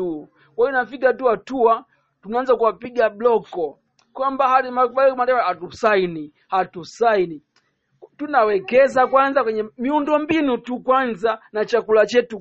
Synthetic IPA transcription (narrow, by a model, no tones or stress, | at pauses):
u | kwainafikatuatua | tunaanzakuwapiɡablɔkɔ | kwambahaɗimakubakɔmandɛwahatusaini | hatusaini | tunawɛkɛzakwanzakwɛɲɛmiundɔmbinutukwanzanat͡ʃakulat͡ʃɛtu